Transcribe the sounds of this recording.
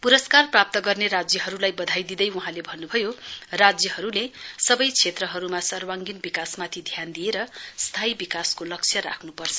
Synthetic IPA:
puɾʌskarprap̚t̪ʌɡʌrneɾad͡zjʌɦʌɾulajbʌd̪ʱajd̪id̪ʌjwuɦãlebʱʌnːubʱʌjorad͡zjʌhʌɾulesʌbʌjt͡sʰet̪rʌɦʌɾumasʌrwaŋɡinbikasmat̪ʰid̪ʱjand̪ijeɾʌst̪ʰaibikaskolʌk̚t͡sʰjʌɾa̰kʰnupʌrt͡sʰʌ̥

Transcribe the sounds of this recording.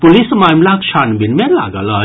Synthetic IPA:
pulismamlakʃʰanbinmẽla̰ɡələ

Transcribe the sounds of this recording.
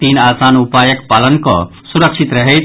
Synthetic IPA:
t̪iːnaːsaːnupaːjəkpaːlənkɔ̰ | suɾəkʃit̪ɾɐɦe

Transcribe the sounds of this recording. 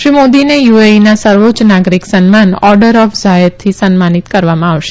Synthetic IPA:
ʃɾimod̪inejueinasəɾʋot͡ʃnaɡɾiksənmanɔɾɖəɾɔfzajət̪ʰːisənmanit̪kəɾʋamãaʋʃe̥

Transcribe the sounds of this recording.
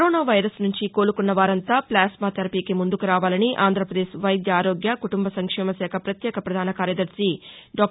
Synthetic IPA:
ɾoːnaːʋɐjɾɐsnuɲt͡ʃiko̞ːɾukunːɐʋaːɾɐnt̪aːplaːsmaːt̪ɐɾɐpiːkimund̪ukuɾaːʋaːlɐniʔaːnd̪ʱɾɐpɾɐd̪eːʃʋɐjd̪jɐaːɾo̞ːɡjɐkuʈumbɐsɐŋkʂɛːmɐsɛːkʰɐpɾɐt̪jɛːkʰɐpɾɐd̪ʱaːnɐkaːɾjɐd̪ɐɾsi | ɖɔːk

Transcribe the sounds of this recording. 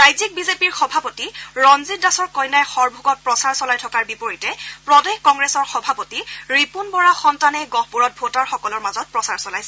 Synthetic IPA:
ɹajzik̚bizepiɹxɔbʱapotiɹɔnzitdasɔɹkɔjnajxɔɹbʱuɡɔt̚pɹɔsaɹsɔlajtʰɔkaɹbipoɹitɛpɹɔdexkɔŋɡɹesɔɹxɔbʱapotiɹipunbɔɹaxɔntanɛɡɔhpuɹɔt̚bʱotaɹxɔkɔlɔɹmazɔt̚pɹɔsaɹsɔlajsɛ

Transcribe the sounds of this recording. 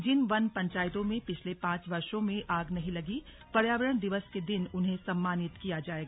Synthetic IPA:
d͡ʒɪnʋɐnpɐ̃ɲt͡ʃaːjɪt̪õmẽpɪt͡ʃʰlepãːt͡ʃʋɐɾʃõmẽʔaːɡnɐɦĩlɐɡi | pɐɾjaːʋəɾəɽ̃d̪ɪʋəsked̪ɪnʊnɦẽsɐmːaːnɪt̪kijad͡ʒaːeːɡaː

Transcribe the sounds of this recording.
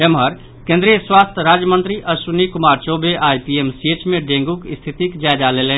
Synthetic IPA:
emɦəɾ | kẽnd̪ɾijəswast̪ʰəɾad͡ʒjəmənt̪ɾiʔəsunikumaɾt͡ʃobeʔajpiemsiet͡ʃmeɖẽŋɡukist̪ʰit̪ikd͡ʒaed͡ʒalelɛn

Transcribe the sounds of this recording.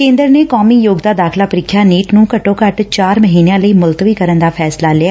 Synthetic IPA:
kẽːnd̪əɾneːkɔːmiːjoːɡd̪aːd̪aːkʰlaːpəɾɪkʰːjaːniːʈnũːkəʈõːkəʈt͡ʃaːɾməɦiːneãːləiːmʊlt̪ʋiːkəɾənd̪aːpʰɛːslaːlɪaː

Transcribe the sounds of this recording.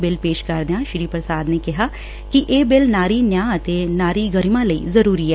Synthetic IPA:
bɪlpeːʃkɐɾd̪jãʃɾiːpɾəsaːd̪nekɪɦaː | kiʔeːbɪlnaːɾinjaːət̪enaːɾiɡəɾmãləḭːzɐɾuːɾiɦɛː

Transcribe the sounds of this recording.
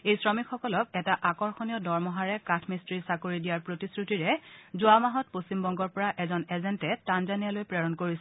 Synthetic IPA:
ejsɹɔmikxɔkɔlɔk̚ɛtaʔakɔɹxonijɔdɔɹmɔɦaɹɛkatʰmistɹisakoɹidijaɹpɹotisɹutiɹɛzʊamaɦɔt̚postimbɔŋɡɔɹpɔɹaʔɛzɔnɛzɛntɛtanzanijalojpɹɛɹɔnkoɹisɛ

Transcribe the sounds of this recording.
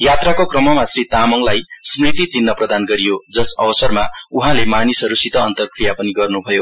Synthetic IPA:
jat̪rakokrʌmʌmasrit̪amʌŋlajsmrit̪it͡sinːʌprʌd̪anɡʌɾijod͡zʌsʌbʌsʌrmauɦãlemanisʌɾusit̪ʌːnt̪ʌrkrijapʌniɡʌrnubʱʌjo

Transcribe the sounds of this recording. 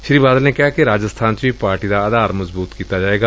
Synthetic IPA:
ʃɾiːbaːd̪əlnekɛɦakeɾaːd͡ʒəst̪ʰaːnt͡ʃebipaːɾʈid̪aɐd̪aːɾmɐzbuːt̪kiːt̪ad͡ʒaːeːɡaː

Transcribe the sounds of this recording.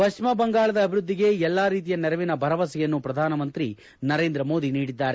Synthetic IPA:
pɐt͡ʃmɐbɐŋɡaːɭɐd̪ɐːbʱiɾud̪ːiɡe̞ɛlːaːɾiːt̪ijɐnɛɾɐʋinɐbʱɐɾɐʋɐsɛjɐnːupɾɐd̪ʱaːnɐmɐnt̪ɾi | nɐɾe̞ːnd̪ɾɐmo̞ːd̪iniːɽid̪ːaːɾe

